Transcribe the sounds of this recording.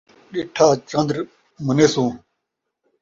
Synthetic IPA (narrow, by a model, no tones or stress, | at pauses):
ɗeʈʰaːt͡ɕɐ̃nd̪ɾ | məneːsũː